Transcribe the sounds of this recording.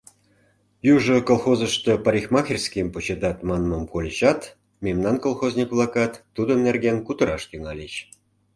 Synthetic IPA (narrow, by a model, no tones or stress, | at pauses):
juʐə̆kolˠxozə̆ʃt̪ə̆pɑɾʲixmɑxʲirʲskʲimput͡ɕed̪ɑt̪mɑnmomkolʲɕɑt̪ | mʲemnɑnkolˠxozʲnʲikvlˠɑkɑt̪ːud̪ə̆nːerɡenkut̪əɾɑʃt̪yŋɑlʲeɕ